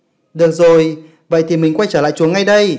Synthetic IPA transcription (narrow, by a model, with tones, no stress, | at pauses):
ɗɨ˨˩ək̚zo˨˩j | və̰˧˨jt̪ʰi˨˩mï˨˩ŋ̟kwa˧jt͡ɕəː˧˩la̰ː˧˨jt͡ɕu˨˦əŋːa˧jɗə˧j